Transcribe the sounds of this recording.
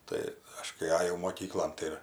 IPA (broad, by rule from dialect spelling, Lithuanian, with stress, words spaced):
ˈtɐɪ ˈɐʃ kɐɪ ˈɑːjɛʊ moːˈkʲiːklˠoːn ˈtɐɪ ɪr